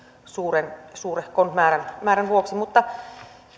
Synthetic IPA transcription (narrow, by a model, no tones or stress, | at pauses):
suːrensuːrehkont̪mæːɾænmæːɾænʋuoksimut̪ːɑ